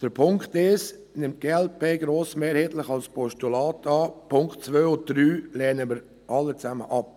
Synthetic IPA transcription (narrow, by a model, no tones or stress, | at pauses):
d̥əɾpʰʊŋktɪʃ | nɪmt̚ɡ̥eɛlpeːɡɾoːsmeːɾhɛːtləχɑlspʰɔʃtulɑːtʰɑːpʰʊŋktt͡sʋøːʊd̥ɾyːlɛːnəməɾ | ʔɑlːət͡sæmə̰ʔɑp̚